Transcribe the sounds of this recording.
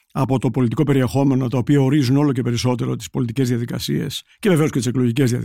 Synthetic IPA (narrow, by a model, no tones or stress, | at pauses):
ɐpo̞t̪o̞po̞lit̪iko̞pe̞ɾie̞xo̞me̞not̪ɐopiɐoɾizuno̞lo̞ce̞pe̞ɾiso̞t̪e̞ɾo̞t̪i̥spo̞lit̪ice̞zðiɐðikɐsie̞̰sceveve̞o̞scet̪ise̞klo̞ʝice̞zðiɐ̰